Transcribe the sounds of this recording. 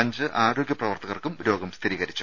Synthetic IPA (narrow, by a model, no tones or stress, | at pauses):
ɐɲd͡ʑɨʔaːɾo̞ːɡjɐprɐʋɐrt̪ɐɣɐrkumɾo̞ːɡɐmst̪ʰiɾiːɣɐɾit͡ɕːu